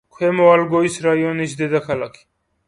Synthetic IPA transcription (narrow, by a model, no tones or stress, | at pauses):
kʰwemowalɡoisɾajoniʃd̪ed̪axalakʰi̥